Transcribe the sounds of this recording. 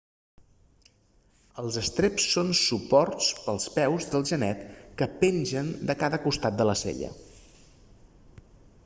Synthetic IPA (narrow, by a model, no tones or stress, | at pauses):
əlˠzəst̪ɾepsːonsupɔrtt͡spəlˠspɛwzðəlˠʒənɛt̪kəpenʲʒənd̪əkaðəkust̪at̪̚d̪ələsḛʎə̰